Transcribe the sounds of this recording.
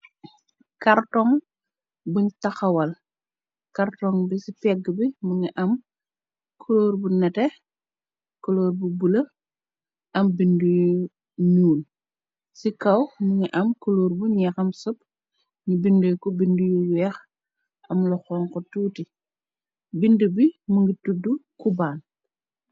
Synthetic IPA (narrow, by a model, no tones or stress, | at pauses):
kɐrtɔŋ | buɲtɐxɐwɐl | kɐrtɔŋbisipɛɡːbimuŋiʔɐm | kʰoloːrbunɛtɛ | koloːrbubulɐ | ʔɐmbinduju | nuːl | sikɐwmuŋiʔɐmkoloːɾbuɲɛxɐmsɔp̚ | ɲibindəkɔbindujuwɛːx | ɐmlɔxɔŋkɔtuːti | bindubimuŋɡitudːukubaːn